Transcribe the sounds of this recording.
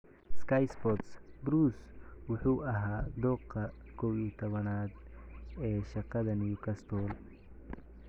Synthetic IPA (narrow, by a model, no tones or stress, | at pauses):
skʰɐjsbɔt̪sbɾuːswʊħuːʔɐɦaːd̪ɔːqɐ | kʰɔwiːt̪ʰɔβɐnaːd̪ɛːʃɑqɑðɐnijʊkʰɐst̪ʰɔːl